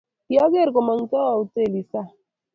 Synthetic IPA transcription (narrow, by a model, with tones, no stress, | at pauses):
ja˦ɡe˦˨ɾko˨ma˨ŋ˦ta˦wa˨u˨te˦˨li˨sa˦